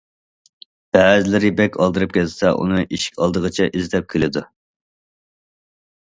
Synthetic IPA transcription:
b̥ɛːzɪlɪɾɪbɛkʲʰɑlˠd̪ɨɾɨp̚kʲʰɛlsɛʔṵnɨʔiʃi̥kʲɑ̰lˠd̪əʁət͡ʃʰɛʔizɪt̪ʰɛp̚kʲʰilɪd̪u

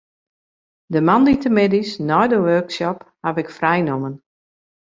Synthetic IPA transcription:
dəmanditəmɪdisnɔjdəʋøːksɔphaʋɪkfrɛjnomən

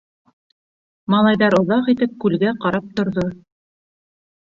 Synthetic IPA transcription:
mɑlˠɑjðɑɾŏðɑqit̪ɘp̚kʉlɡæqɑɾɑp̚t̪ŏɾðo

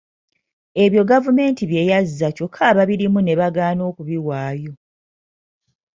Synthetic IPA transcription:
e̞βjo̞ɡavume̞ːntiβje̞jazːaco̞kʰːaːβaβiɾimune̞βaɡaːno̞ːkuβiwaːjo̞

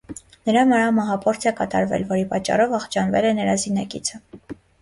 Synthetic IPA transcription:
nəɾɑməɾɑmɑɦɑpʰɔɾt͡s̪ʰɛkɑt̪ɑɾvɛ̰lvɔɾipɑt͡ʃːɑ̰rɔvɑχt͡ʃʰɑnvɛlɛnəɾɑzinɑkit͡sʰə

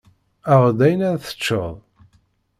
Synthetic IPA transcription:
əʁd̪æjnæðθə̥t͡ʃːəðˤ

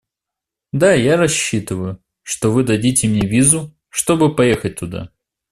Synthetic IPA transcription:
d̪ajaɾɐɕːit̪ɨvəjʊ | ʂt̪ovɨd̪ɐdʲitʲɪmnʲevʲizʊ | ʂt̪o̞bɨpɐjexət̚ʲt̪ʊd̪a̰

